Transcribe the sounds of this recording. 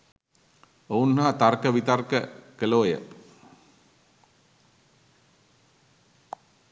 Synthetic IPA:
ounːaɦat̪arkəʋit̪arkəkəloːjə̰

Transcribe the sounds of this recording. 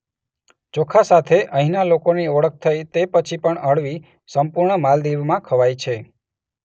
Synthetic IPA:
d͡ʒokʰasat̪ʰeʔəɦinalokoniɔɭək̚t̪ʰəjt̪epət͡ʃʰipəɳəɭʋi | səmpʊɾɳəmald̪iʋmãkʰəʋajt͡ʃʰe

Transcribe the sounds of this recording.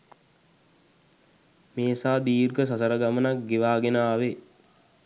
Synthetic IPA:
meːsaːd̪iːrɡəs̬asəɾəɡamənak̚ɡeʋaːɡenaːʋe

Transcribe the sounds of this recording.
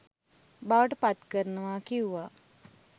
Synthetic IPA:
baʋəʈəpat̪kəɾənəʋaːkiuʋa

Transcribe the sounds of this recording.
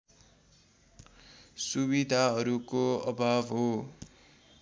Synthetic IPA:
subid̪ʱaɦʌɾukoʌbʱabɦo

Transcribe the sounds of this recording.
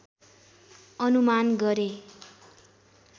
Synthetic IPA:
ʌnumanɡʌɾe

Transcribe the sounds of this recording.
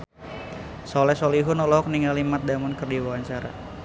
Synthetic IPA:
sɔlɛsɔliɦunɔlɔɦɔk̚niŋalimat̪̚damɔnkərdiwawaɲt͡ʃaɾa̰

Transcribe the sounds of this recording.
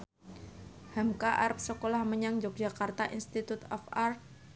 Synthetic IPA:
hamkaʔarp̚səkolahməɲaŋd͡ʒɔk̚d͡ʒakart̪aʔinst̪it̪ut̪ɔfar

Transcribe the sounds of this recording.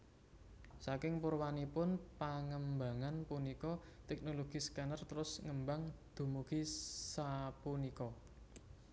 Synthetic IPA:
sakɪŋpʊrwanipʊnpaŋəmba̤ŋanpunikɔt̪ɛk̚noloɡ̥iskanərt̪əɾʊsŋəmbaŋd̪̥ṳmuɡ̥isapunikɔ

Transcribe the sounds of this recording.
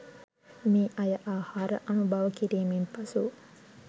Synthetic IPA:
miːʔɐjəʔaːhaːɾə̰ʔɐnubaʋəkiɾiːmempasu

